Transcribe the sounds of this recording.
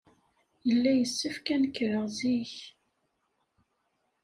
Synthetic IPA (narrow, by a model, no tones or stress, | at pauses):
jəlːæjəsːəfkænkːɾəʁziç